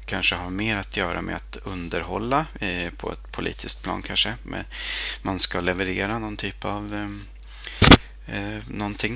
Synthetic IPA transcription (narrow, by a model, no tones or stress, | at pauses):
kʰanʂəɦaɾmeːɾat̪ʰjœːɾa̰mɛ̰at̪ɵnd̪əɾɦɔlːapʰɔ̰ɛ̰t̪pʰʊlḭːt̪ʰɪskt̪̚pʰlɑ̰ːnkʰanʂəmɛ̰nmanskalɛvəɾeːɾanɔnt̪ʰyːpav | nɔnt̪ʰɪŋː